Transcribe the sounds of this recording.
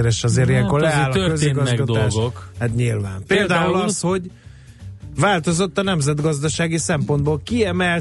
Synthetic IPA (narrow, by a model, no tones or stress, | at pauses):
ɾɛʃɒzeːɾijɛŋkorlɛaːlːɒøkøziɡɒzɛɡɒd̪ot̪aːlːʃɡokɛt̪ɲilva̰ːmpeːld̪aːulɒsho̞ɟ | vaːlt̪o̞zo̞t̪ːɒnɛmzɛd̪ɡɒzd̪ɒʃaːɡisɛmpo̞nd̪boːlkiɛmɛl